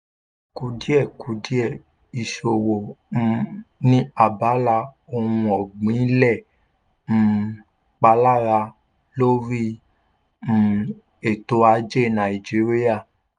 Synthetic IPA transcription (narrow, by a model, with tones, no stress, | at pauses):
ku˧di˦ɛ˦˨kʰu˨˦di˦ɛ˦˨ | i˨ʃo˨wõ˨˧ | nĩ˦a˨ba˨˦la˧o˧hũ˧ɔ˨ɡ͡bĩ˨˦lɛ̃˦˨˦ | k͡pa˧˦la˦ɾa˧ | lo˦ɾi˦˨ | e˨to˧˦a˧˦d͡ʒe˦˨nã˨i˨d͡ʒi˨˦ɾi˦ja˦˨